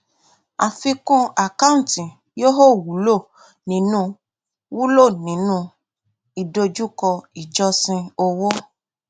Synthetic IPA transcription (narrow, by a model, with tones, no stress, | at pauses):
a˨fi˧kũ˦a˨ka˦ũ˦˨tĩ˨ | jo˦ɦo˦˨wu˨˦lo˦˨ | nĩ˨˦nũ˦˧ | wu˦lo˦˨nĩ˨˦nũ˦˧ | i˨do˧d͡ʒu˦kɔ˧i˨d͡ʒɔ˧sĩ˧o˧wo˦